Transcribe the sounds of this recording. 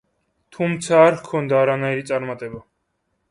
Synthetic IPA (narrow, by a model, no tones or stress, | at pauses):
t̪ʰumt̪sʰaːɾhkʰɔnd̪aːɾanaiɾit̪sʼaɾmat̪ʼɛba